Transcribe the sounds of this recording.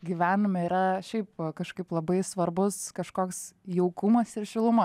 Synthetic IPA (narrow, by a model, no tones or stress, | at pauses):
ɡʲiʋʲæːnʊmʲɛiɾɐʃʲɛɪpkɐʃkɐɪplˠɐbɐɪsʋɐɾbʊskɐʃkoːksjɛʊkʊmɐsɪɾʃʲɪlˠʊmɐ